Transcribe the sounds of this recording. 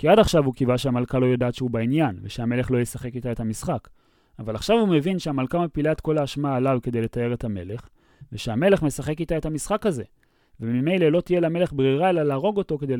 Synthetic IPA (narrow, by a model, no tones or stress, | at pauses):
kiadaχʃavukivaʃeamalkalo̞jodaːt̪ʃeubainjanveʃeame̞le̞χlo̞jesaχe̞kitaethamisχak | avalaχʃavume̞vinʃeamalkamepilaetko̞laːʃmaːlavke̞de̞jle̞tae̞ʁe̞tame̞le̞χ | veʃeame̞le̞χme̞saχe̞kitae̞thamisχakaze̞ | vemime̞jle̞lo̞tijelame̞le̞χbʁiʁaelalaːʁo̞ɡo̞to̞ke̞de